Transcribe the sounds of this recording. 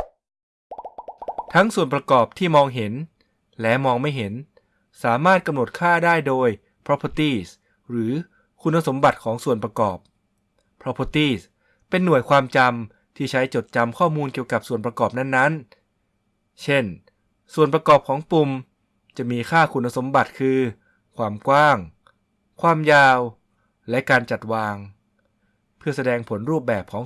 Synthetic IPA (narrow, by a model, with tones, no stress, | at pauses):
t̪ʰa˦˥ŋsu˨˩ənp̬ɾa˧kɔː˨˩p̚t̪ʰiː˥˩mɔː˧ŋɦe˩˦n | lɛ˦˥mɔː˧ŋma˥˩jɦe˩˦n | saː˩˦maː˥˩t̪̚ka˧mno˨˩t̪̚kʰaː˥˩daː˥˩jdoː˧j | pʰɾɔ˦˥pʰo˧˥t̪iː˥˩s | ɾɯː˩˦ | kʰu˧nːa˧so˩˦mba˨˩t̪̚kʰɔː˩˦ŋsu˨˩ənpɾa˧kɔː˨˩p̚ʰ | ɾɔ˦˥pʰo˧˥t̪iː˥˩s | pe˧nːu˨˩əjkʰwaː˧mt͡ɕa˧m | t̪ʰiː˥˩t͡ɕʰa˦˥jt͡ɕo˨˩t̪̚t͡ɕa˧mkʰɔː˥˩muː˧nki˨˩əwka˨˩p̚su˨˩ənp̬ɾa˧kɔː˨˩p̚na˥˩nːa˦˥n | t͡ɕʰe˥˩n | su˨˩ənpɾa˧kɔː˨˩p̚kʰɔː˩˦ŋpu˧m | t͡ɕa˨˩miː˧kʰaː˥˩kʰu˧nːa˧so˩˦mba˨˩t̪̚kʰɯː˧ | kʰwaː˧mkwaː˥˩ŋ | kʰwaː˧˩mjaː˧w | lɛ˦˥kaː˧nt͡ɕa˨˩t̪̚waː˧ŋ | pʰɯ˥˩ɐsa˧dɛː˧ŋpʰo˩˦nɾuː˥˩p̚bɛː˨˩p̚kʰɔː˩˦ŋ